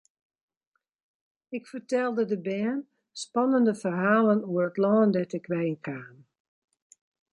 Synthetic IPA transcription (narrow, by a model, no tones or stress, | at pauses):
ɪkfərtɛlˠdədəbɛːn | spɑnəndəfərɦaːlənuəətlɔːndɛtɪkʋɛjənkʰaːn